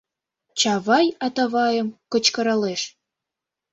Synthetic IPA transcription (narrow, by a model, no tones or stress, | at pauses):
t͡ɕɑβɑjɑt̪ɑβɑjə̆mkɤ̆t͡ɕkɤ̆ɾɑleʃ